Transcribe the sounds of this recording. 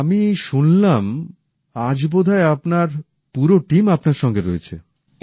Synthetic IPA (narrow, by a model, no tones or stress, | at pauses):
amiʃunlam | ad͡ʑbod̪ʱaeapnaɾ | puɾoʈimapnaɾʃɔŋɡeɾoet͡ɕʰḛ